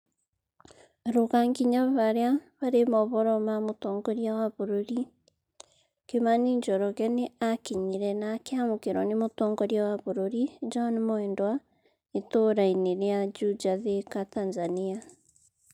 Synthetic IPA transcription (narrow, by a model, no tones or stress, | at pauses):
ɾoɣaŋɡiɲaβaɾeaβaɾemɔβɔɾɔmamotɔːŋɡɔɾiawaβoɾoɾi | kemaniɲd͡ʒɔɾɔɣɛneakiɲiɾɛnakeamokeɾɔnemotɔŋɡɔɾjawaβoɾoɾid͡ʒɔnmɔɛndwa | etoɾaineɾead͡ʒud͡ʒaðekatanzania